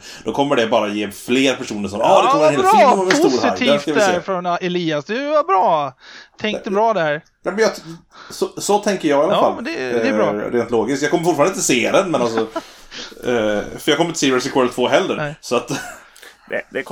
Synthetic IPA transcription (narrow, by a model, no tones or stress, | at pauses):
d̪̥ɔkʰɔmːəɖɛbɑːɾajeːfleːɾpʰæʂuːnəʂɔmɑd̪ɛkkɔmːəɾneːɾɛsːɾhɪt̪ʰiːfaæɾfɾɔnɛliːasd̪ɛvabɾɑːt̪ʰɛŋk̚t̪əbɾɑːd̪æɾ | nɛmɛnjɑssɔt̪ʰɛŋkəɾjɑːɡɪalaalmɛnd̪ɛɛɾɑɾeːnt̪loːɡɪskjɑɡkɔməɾfʊʈːfɑɾnɪnt̪əseːd̪ɛnmɛnalsɔ | fœjɑɡkʰɔmːɾɪt̪siːɛsɪkʰwɔɾlt̪ʰvoːɦɛld̪əɾsɔat̪ː | d̪ɛd̪ɛ